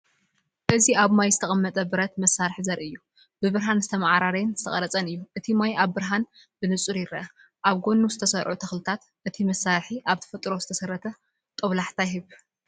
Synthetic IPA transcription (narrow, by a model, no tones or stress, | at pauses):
ʔɨziaβmajzɨt̪ʰɐχʼɐmːɐt̪ʼɐbɨɾɐt̪mɐsːaɾħizɐɾʔiɨjːu | bɨβɨɾɦanzɨt̪ʰɐmaʕaɾaɾɐnzɨ̥t̪ʰɐχʼɐɾɐt͡sʼɐnɨjːuʔɨt̪ʰimajaβːɨɾɦan | b̥ɨnɨt͡sʼuɾjɪɾɐʔɐ | ʔaβɡo̞nːuzɨt̪ʰɐsɐɾʕut̪ʰɐxlɨt̪ʰat̪ | ʔɨt̪ʰimɐsːaɾħiʔaβt̪ʰɐ̥fɐt̪ʼɾo̞zɨ̥t̪ʰɐsɐɾːɐt̪ʰɐ | t̪ʼɐβlaħt̪ʰajɦɨβ